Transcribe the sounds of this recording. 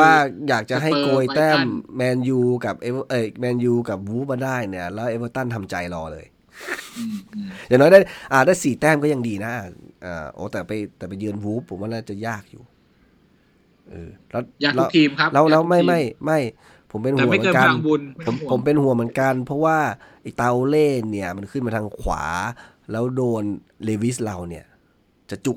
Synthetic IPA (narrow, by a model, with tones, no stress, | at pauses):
waː˥˩jaː˨˩k̚t͡ɕa˨ɦa˥˩˧koː˧jt̪ɛː˥˩mːɛː˧njuː˧ka˨˩p̚ʔeː˧wʔəː˧˩mɛː˧njuː˧ka˨˩p̚wuː˦˥p̚maː˧˩daː˥˩jni˧˥˩ɐlɛː˦˥wʔeː˧˥wəː˧˩t̪a˥˩nt̪ʰa˧mt͡ɕa˧jlɔː˧lɤ̰ː˧j | jaː˨˩ŋnɔː˦˥jdaː˥˩ʔa˧˩daː˥˩jsiː˨˩t̪ɛː˥˩mkɔ˥˩ja˧ŋdiː˧na˦˥ʔa˧˩ʔa̰ː˨˧˩ʔo̰ː˨˦t̪ɛː˨˩pa˧jt̪ɛː˨˩pa˧jːɯː˧ənwuː˦˥pʰːo˨˩˦mːwaː˧˥˩naː˥˩t͡ɕa˨˩jaː˥˩k̚jṵː˨˩ | ʔɯː˧˩lɛ˦˥wjaː˨˩klʰkt̪ʰiː˧mkʰa˦˥lɛ˦˥wlːwma˥˩jma˥˩jma˥˩j | pʰo˩˦mpe˧nha˥˩m˨˦kɤː˧˦ka˧aː˧bu˧npʰo˨˦mʰo˩˦mpe˧nhu˨˩˦əmɯ˩˦nka˧npʰɔ˦˥waː˥˩ | ʔi˨˩k̚t̪a˧wleː˥˩nːi˥˩ɐma˧nkʰɯ˥˩nmaː˧t̪ʰa˧ŋkʰwa̰ː˩˦ | lɛː˦˥wdoː˧n | leː˧wi˦˥sla˧wni˦˥˩ɐ | t͡ɕa˨˩t͡ɕu˨˩k